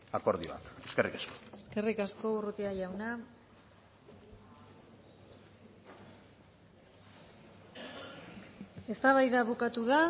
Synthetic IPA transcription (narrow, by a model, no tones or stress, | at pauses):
ako̞ɾðioa̰ke̞skerikaskoe̞ske̞rikasko̞urut̪iaʝawna | e̞st̪aβajðaβukat̪uða